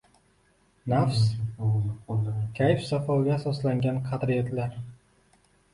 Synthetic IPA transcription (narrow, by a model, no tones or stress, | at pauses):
nafs | kʲʰajɪfsafawɡʲaːsɒslaŋɡʲanqʰɑt̪ɾijat̪ʰlaɾ